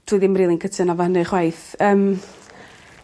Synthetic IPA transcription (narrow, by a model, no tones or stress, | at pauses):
tʰuːɨðɪmriːlˠinkʰətʰɨnavɔhənɨχwajθəːm